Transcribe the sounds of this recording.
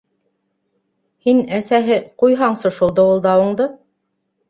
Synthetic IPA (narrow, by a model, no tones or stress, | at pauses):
hinæsæɦɘqujɦɑɴsŏʃulˠd̪ɤulˠd̪ɑŭɴd̪ɤ